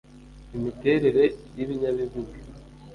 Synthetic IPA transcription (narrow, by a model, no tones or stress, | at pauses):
imite̞ːɾe̞ɾe̞jiβiɲaβiβuɡi